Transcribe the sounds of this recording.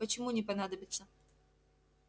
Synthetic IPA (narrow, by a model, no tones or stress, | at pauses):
pət͡ɕɪmunʲɪpɐnad̪əbʲɪt̪sə